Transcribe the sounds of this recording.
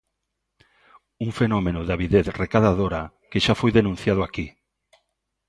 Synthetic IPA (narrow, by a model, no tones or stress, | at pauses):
uŋfenomenʊðaβiðeθrekaðaðoɾa | kɪʃafojðenũnθjað̞ʊaki